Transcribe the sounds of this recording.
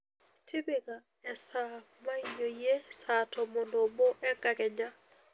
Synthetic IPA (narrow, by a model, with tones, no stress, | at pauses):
tʰɪ˦be˨ɣa | ɛ˨sa˦ | ma˦i˨˦ɲo˨je˦satɔ˨mo˨ndo˨bo˦ʔɛ˦ka˨ɡɛ˨ɲa˦